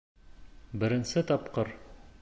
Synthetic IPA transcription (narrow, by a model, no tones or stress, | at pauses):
bɘ̆ɾɘ̆nsɘt̪ɒpqɤɾ